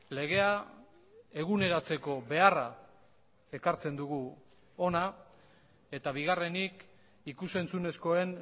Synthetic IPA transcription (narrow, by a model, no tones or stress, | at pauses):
le̞ɣe̞a | e̞ɣune̞ɾat͡se̞ko̞βe̞ara | e̞kaɾt͡se̞nd̪uɣu | o̞na | e̞t̪aβiɣ̞are̞nik | ikuse̞nt͡sune̞sko̞e̞n